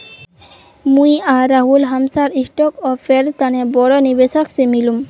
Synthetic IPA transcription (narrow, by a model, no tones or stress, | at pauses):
mujaɾaɦulɦamsaɾisʈokɔfʰeɾt̪anebɔɽonibesoksemilum